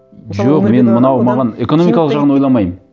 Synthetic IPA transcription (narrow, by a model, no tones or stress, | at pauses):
ʒoqme̞nmənɑwmɑʁɑne̞ko̞no̞mijkɑlˠəqʒɑʁənwolˠɑmɑjəm